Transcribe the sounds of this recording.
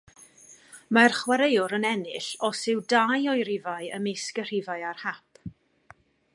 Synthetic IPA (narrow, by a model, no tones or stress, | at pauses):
marχwaɾejʊɾənɛnɪɬɔsɪwdajɔjɾɪvaɨəmeskər̥ɪvaɨarhap̚ʰ